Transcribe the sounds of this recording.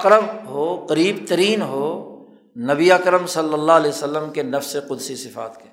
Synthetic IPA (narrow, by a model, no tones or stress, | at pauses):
qɾəbɦoːqɐɾiːbt̪ɐɾiːnɦoː | nɐbiaːkɾəmsɐlːəlːaɐleːsəlːəmkenɐfseqʊd̪sisɪfa̰ːt̪ke